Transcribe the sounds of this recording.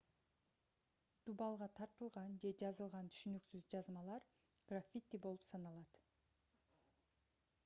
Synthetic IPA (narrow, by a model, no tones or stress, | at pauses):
d̪̥ubɑlˠʁɑt̪ʰɑɾt̪ɯlˠʁɑnd͡ʒe̞d͡ʒɑzɯlˠʁɑnt̪ʰy̥ʃynyksyzd͡ʒɑzmɑlˠɑɾ | ɡ̥rafʲit̪ʲːibo̞lˠupsɑnɑlˠɑt̪